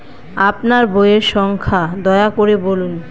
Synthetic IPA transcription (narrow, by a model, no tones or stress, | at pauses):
apnaɾbojeɾʃɔŋkʰad̪ɔeakoɾebolun